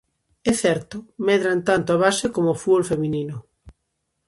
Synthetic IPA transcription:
ɛθɛɾt̪ʊmɛðɾant̪ant̪oaβasekomofuolfemĩninʊ

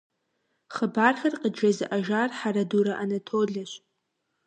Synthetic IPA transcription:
χəbaːrχʲɐrqʼəd͡ʒɐzɨʔaʒarħaɾaduɾaʔanɐtʰoɮɐʃʷ

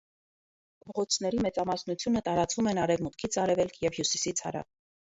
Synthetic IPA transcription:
pɔʁɔt͡sʰn̪ɛɾimɛt͡sɑmɑsnut͡sʰjunət̪ɑɾɑt͡svumɛnɑɾɛvmut̪kʰit͡sʰɑɾɛvɛlkʰjɛvhjusisit͡sʰhɑ̰ɾɑ̰v

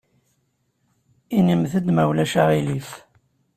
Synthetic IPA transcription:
inimθəd̪mæwlæʃaʁilif

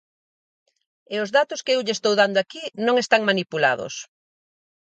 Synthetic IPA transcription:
eozðat̪ʊskeewʎest̪owðand̪oakinõŋest̪aŋmanipula̰ðo̰s

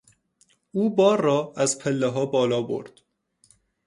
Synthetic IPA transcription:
uːbɒːɾːɒːæzpʰelːeɦɒːbɒːlɒːbo̰ɾd̪̥

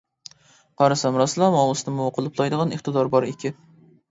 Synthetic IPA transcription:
qʰɑɾɨsɛmɾɑslˠɑmɑwlɨsnɨmuqʰʊlˠɨplˠɑjd̪əʁɑneχt̪ɨd̪ɑɾbɑɾɪkʲɪ

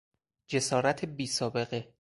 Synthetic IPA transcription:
d͡ʒe̞sɒːɾæt̪ʰebiːsɒːbe̞ɣe̞

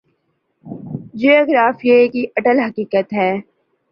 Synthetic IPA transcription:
d͡ʒijoːɡɾaːfiekiʔɐʈəlɦɐkiːkət̪ɦɛː

